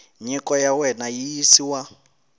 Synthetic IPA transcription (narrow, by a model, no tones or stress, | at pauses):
ɲikɔjawɛnajijisiwa